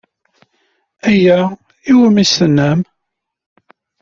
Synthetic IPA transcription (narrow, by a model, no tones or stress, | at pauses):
æjæ | iwəmisənːæm